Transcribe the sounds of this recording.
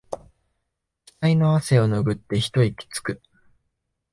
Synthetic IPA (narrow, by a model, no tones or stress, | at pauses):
ki̥t̪aino̞ase̞o̞no̞ɡɯ̟t̪ːe̞çi̥t̪o̞ikʲi̥t͡sɨ̥kɯ̟